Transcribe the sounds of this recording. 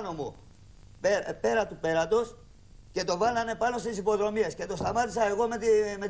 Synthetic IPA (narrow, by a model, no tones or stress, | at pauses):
no̞mo | pe̞ɾɐt̪upe̞ɾɐt̪o̞s | ce̞t̪o̞vɐlɐne̞pɐno̞st̪isipo̞ðɾo̞miesce̞t̪o̞st̪ɐmɐt̪isɐe̞ɣo̞met̪met̪